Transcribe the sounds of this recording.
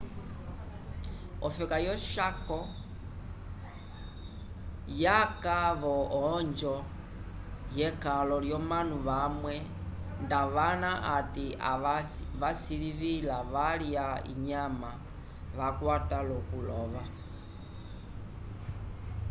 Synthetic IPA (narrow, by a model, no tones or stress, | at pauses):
ɔfɛkajɔʃakɔ | jakaβɔɔɲd͡ʒɔ | jɛkalɔljɔmanuʋamwɛ | ndaʋanaʔatia̰ʋasiliʋilaʋaliaḭɲama | ʋakwatalɔkulɔʋa